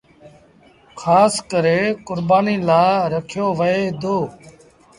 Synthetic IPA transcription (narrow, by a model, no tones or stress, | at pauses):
kʰaːskəɾeːkʊɾbaːniːlaːɾəkʰjoːʋəeːd̪oː